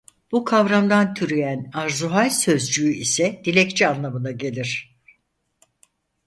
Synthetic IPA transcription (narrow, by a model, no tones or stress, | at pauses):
b̥ukʰavɾamd̪ant̪ʰyɾyjænaɾzuɦalʲsø̞zd͡ʒyyisɛd̪̥ilʲɛct͡ʃʰianlˠamɯnaɟe̞lʲiɾ̝̥